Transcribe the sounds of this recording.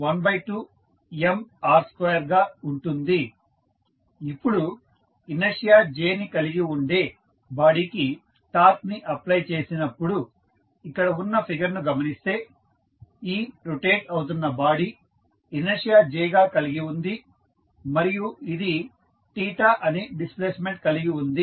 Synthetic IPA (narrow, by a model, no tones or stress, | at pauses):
ʋɐnbɐjʈːuː | emaːɾskɐjɐɾɡaːuɳʈund̪i | ipːuɽu | inɐʂijaːd͡ʒeːnikɐliɡiuɳɖeː | baːɽiki | ʈaːt̪̚niʔɐplɐjt͡ʃe̞ːsinɐpːuɽu | ikːɐɽɐunːɐpʰiɡɐɾnuɡɐmɐnist̪e̞ː | iːɾuʈeːʈɐwut̪̬unːɐbaːɽi | inɐʂijaːd͡ʒɛːjɡaːkɐliɡiund̪i | mɐɾijuid̪i | ʈiːʈaːʔɐniɖispleːsme̞ɳʈ̚kɐliɡiund̪i